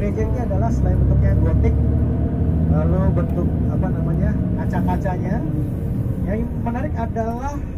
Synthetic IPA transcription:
ɾed͡ʒənɲaadalahsəlaɪnt̪ukaɡɔt̪ɪk̚ | lalobənt̪ʊk̚apanamaɲakat͡ʃakat͡ʃaɲa | jaŋmənaɾɪkadalah

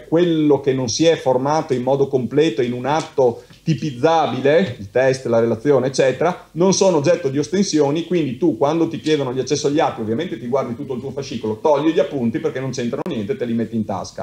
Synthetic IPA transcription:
kwelːokenːonsiɛformaːt̪oimːɔːd̪okomplɛːt̪oinunat̪ːo | t̪ipid̪zːaːbileilt̪ɛst̪laɾelat̪sːjoːneːt͡ʃːɛːt̪eɾanonsoːnoːd͡ʒːɛt̪ːod̪iost̪ensjoːnikwind̪it̪ukwand̪ot̪ikjeːd̪onoʎːat͡ʃːɛsːoaʎːiat̪ːiovːjament̪et̪iɡward̪it̪ut̪ːoilt̪uofaʃːikolot̪ɔʎːiʎapːunt̪iperkenont͡ʃent̪ɾanonjɛnt̪et̪elimet̪ːiːnt̪a̰ska̰

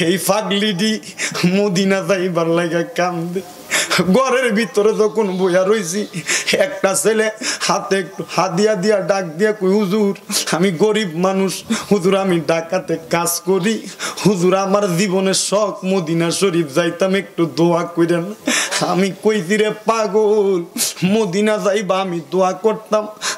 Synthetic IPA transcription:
ejpʰaɡliɖimod̪inazajbaɾlajɡakamd̪ij | ɡɔɾeɾbʱit̪ɔɾet̪ɔkonbojaɾojs̬iɛk̚ʈaselehat̪eek̚ʈuhad̪ijad̪ijaɖak̚d̪ijakojɦuzuɾamiɡoɾibmanuʃhuzuɾamiɖakat̪ekaskoɾihuzuɾamaɾzibɔnesɔkmod̪inaʃoɾibzajt̪amek̚ʈud̪oakojɾenaamikojt̪iɾepaɡolmod̪inazajbaamid̪oakɔɾt̪am

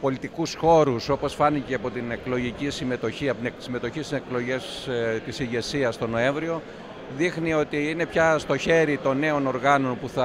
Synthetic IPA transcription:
po̞lit̪ikusxo̞ɾuso̞po̞sfɐniceɐpo̞t̪ine̞klo̞ʝicisime̞t̪o̞çiɐpsime̞t̪o̞çist̪ise̞klo̞ʝest̪isiʝe̞siɐst̪o̞no̞e̞ɱvɾio̞ | ðixnio̞t̪iine̞pçɐst̪o̞çe̞ɾit̪o̞nːe̞o̞no̞ɾɣɐno̞npuθɐ

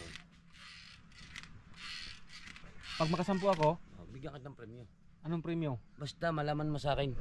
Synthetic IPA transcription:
pɐɡ̚mɐkɐsɐmpoʔɐko̞ʔo̰bɪɡjɐŋkɐt̪ːɐŋpɾɛmjo | ʔɐnoŋpɾɛmjobast̪ɐmɐlaːmɐnmosaːkɪn

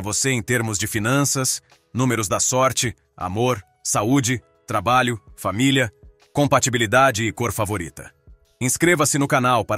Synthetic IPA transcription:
voseẽj̃t̪eɾmʊzd͡ʒɪfinɐ̃sɐs | nũmeɾʊzd̪ɐsɔɾt͡ʃɪ | a̰moɾ | saud͡ʒɪ | t̪ɾabaʎʊfamiliɐ | kõmpat͡ʃibilid̪ad͡ʒɪːkoɾfavoɾḭt̪ɐ | ẽskɾevɐsɪnʊkanawpaɾ

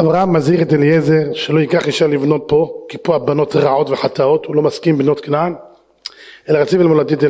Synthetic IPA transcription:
ʔavʁahamːazhiʁet̪̬eljezeʁʃelo̞ikaχiʃaʁlivno̞t̪̚po̞kipuabano̞t̪ʁaʕo̞t̪veħat̪ao̞t̪ulo̞maskimbnot̪knan | ʔelaʁat͡sivilmolad̪it̪e

